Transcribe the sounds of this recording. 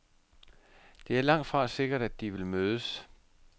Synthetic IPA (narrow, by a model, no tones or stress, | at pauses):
d̥e̝æɐlɑ̈ŋ̰d̥fʁɑ̈se̝ɡ̥ɐɾ̥æd̥ːiʋe̝lmøːðˠəs